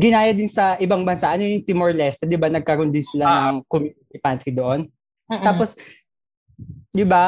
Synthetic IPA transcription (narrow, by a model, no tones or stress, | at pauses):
ɡɪnaːjɐd̪ɪnsɐʔɪbaŋbɐnsaʔɐno̞jʊŋt̪ɪmoɹlɛst̪ɐd̪ɪbanɐɡ̚kɐɾond̪ɪnsɪlanɐŋkʊmɪ | ɪpant̪ɾid̪oʔon | t̪aːpos | d̪ɪba